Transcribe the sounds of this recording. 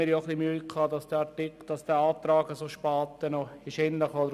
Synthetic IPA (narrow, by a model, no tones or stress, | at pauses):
ɪːɾjoχlimyːkʰɑːd̪ɑsd̥ɛːɑʈɪkd̥̪ɑsd̥̪ɛːɑːt̪ɾɑːɡəsoːʃpɑːt̪ənoiʃɪnləχod̪əɾ